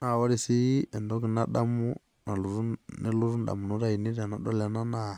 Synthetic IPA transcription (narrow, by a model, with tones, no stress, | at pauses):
na˨wɔ˦ɾi˨si˦ɛ˨ndɔ˦ki˨na˦ɗa˦mu˦ | na˨lu˨ɾu˦nɛ˦lu˦ɾu˦n˨ɗa̰˨mu˨nɔ˦ɾa˦˨i˨ni˦ɾa˨na˨ɗɔ˦la˨na˦na˦˨